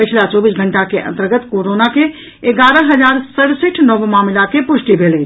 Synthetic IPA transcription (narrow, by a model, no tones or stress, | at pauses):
pət͡ʃʰlat͡ʃɔːbisɡʱəɳʈakeʔə̰̃nt̪əɾɡət̪koɾonake | eɡaɾəɦəd͡ʒaɾsəɽsiʈʰnəbmaːmlakepusʈibʱele